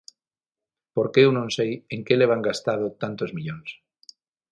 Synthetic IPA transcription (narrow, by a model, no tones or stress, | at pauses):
poɾkeewnõŋsejeŋkeleβ̞aŋɡast̪að̞ot̪ant̪ozmiʎoŋs